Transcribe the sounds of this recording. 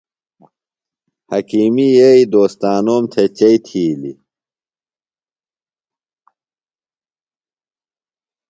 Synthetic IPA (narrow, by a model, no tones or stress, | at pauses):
hɐkiːmijeid̪oːst̪aːnoːmt̪ʰet͡ɕɐit̪ʰiːlḭ